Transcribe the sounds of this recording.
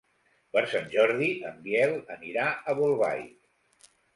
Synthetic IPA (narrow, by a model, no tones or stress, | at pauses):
pəɾsanʲʒɔɾðiʔəmbjɛlˠəniɾaəβulˠβa̰j